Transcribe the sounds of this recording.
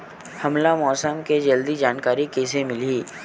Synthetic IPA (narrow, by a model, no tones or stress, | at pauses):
hɐmlamɔːsəmked͡ʒɐld̪id͡ʒaːnkaːɾikeːsemɪliː